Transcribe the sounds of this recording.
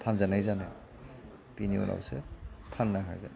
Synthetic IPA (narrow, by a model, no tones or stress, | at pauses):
pʰanzanajzane | piniɔ̰nʔa̰wsḛpʰanːaɦa̰jɡɯn